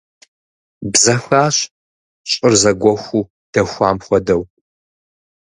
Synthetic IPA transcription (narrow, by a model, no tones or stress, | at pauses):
bzɐxʷaːɕ | ɕʼɪrzɐɡʷɔxʷuː | d̥ɐxʷaːmχʷɔdɐw